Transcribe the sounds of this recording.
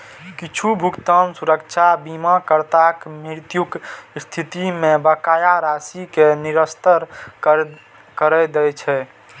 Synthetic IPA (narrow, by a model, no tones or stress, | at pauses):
kit͡ʃʰubʱukt̪ansuɾəkt͡ʃʰabimakəɾt̪akmiɾt̪jukst̪ʰit̪imẽbəkaːjaɾasikeniɾəst̪əɾ | kəɾɛd̪ɛjt͡ʃʰɛ